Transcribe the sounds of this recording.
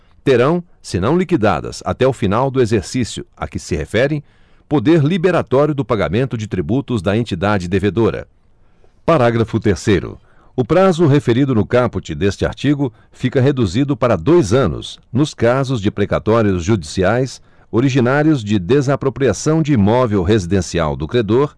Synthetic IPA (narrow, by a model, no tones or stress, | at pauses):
t̪eɾɐ̃w̃ | sɪnɐ̃w̃likid̪a̰d̪ɐ̰sa̰t̪ɛʊfinawd̪ʊezeɾsisjʊɐ̰kɪsɪhefɛɾẽj̃ | pod̪eɾlibeɾat̪ɔɾjʊd̪ʊpaɡamẽnt̪ʊd͡ʒɪt̪ɾibut̪ʊzd̪ɐẽnt͡ʃid̪ad͡ʒɪd̪eved̪oɾɐ̰ | paɾaɡɾɐfʊt̪eɾsejɾʊ̰ | ʊpɾazʊɦefeɾid̪ʊnʊkapʊt͡ʃɪd̪est͡ʃɪa̰ɾt͡ʃiɡʊ | fikɐɦed̪uzid̪ʊpaɾɐd̪ojzɐ̃nʊ̰snʊskazʊzd͡ʒɪpɾekat̪ɔɾjʊzʒud͡ʒisiajs | oɾiʒinaɾiʊzd͡ʒɪd̪ezapɾopɾiasɐ̃w̃d͡ʒɪimɔvewɦezid̪ẽsia̰wd̪ʊkɾed̪oɾ